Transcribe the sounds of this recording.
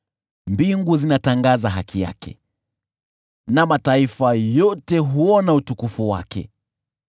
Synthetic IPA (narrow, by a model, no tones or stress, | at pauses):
mbiŋɡuzinataŋɡazaɦakʰija̰kɛ̰ | namataifajɔtɛɦuɔnautukufuwa̰kɛ̰